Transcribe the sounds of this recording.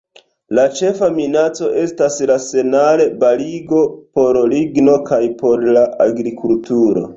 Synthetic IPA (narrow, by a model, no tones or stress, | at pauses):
lat͡ʃe̞faminat͡so̞ʔe̞staslase̞nale̞baliɡo̞po̞ɾliɡno̞kajpo̞ɾlaʔaɡɾikultuɾo̞̰